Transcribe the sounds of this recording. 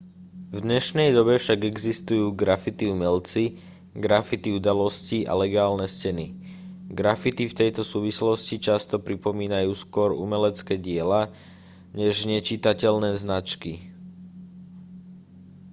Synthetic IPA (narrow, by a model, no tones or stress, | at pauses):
vd̪ɲɛʃnɛjd̪ɔbɛfʃaɡɛɡzist̪ujuːɡɾafit̪iumɛlt͡si | ɡɾafit̪iud̪alɔsciʔa̰lɛɡaːlnɛscɛni | ɡɾafit̪ift̪ɛjt̪ɔsuːʋislɔscit͡ʃast̪ɔpɾipɔmiːnajuːskʊɔɾṵmɛlɛt͡skɛːɟɪɛla | ɲɛʒɲɛt͡ʃit̪acɛʎnɛːznat͡ʃki